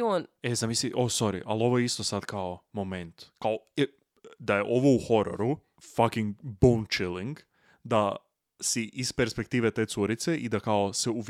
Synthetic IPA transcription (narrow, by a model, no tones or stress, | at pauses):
onezamisiʔoso̞ɾḭʔa̰lo̞ʋojeist̪o̞sad̪kaomomẽnt̪kaoe | d̪ajeʔo̞ʋouxo̞ɾo̰ɾu | fakiŋɡbownt͡ʃiliŋɡ | d̪a | siʔispeɾspek̚t̪iːʋet̪et̪suɾit̪se̞ʔid̪akaoseuʋ